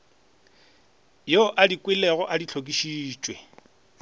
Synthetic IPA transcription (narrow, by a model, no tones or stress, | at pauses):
joʔadikʼwɪlɛɣɔʔadit͡ɬʰokʼiʃiːt͡ʃʼwe